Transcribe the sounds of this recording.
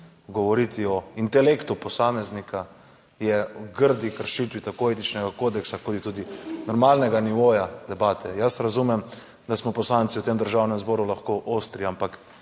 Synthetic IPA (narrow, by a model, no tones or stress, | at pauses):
ɡɔʋɔɾit̪iɔint̪ɛlekt̪upɔsamɛznikʰa | jɛɡəɾd̪ikəɾʃit̪ʋit̪akoeːt̪it͡ʃnɛɡakoːd̪ɛksakod̪it̪uːd̪inɔɾmaːlnɛɡaniʋoːjad̪̥ɛbaːt̪ʰɛjasɾazumɛm | d̪asmɔpɔslant̪siwt̪emd̪əɾʒaːwnɛmzbɔːɾulaxkoʔost̪ɾiampak